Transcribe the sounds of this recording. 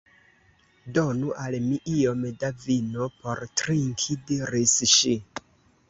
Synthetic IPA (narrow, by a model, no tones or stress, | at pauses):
donuʔalmiʔiomedavinopo̞ɾtɾiŋkʰidiɾisʃi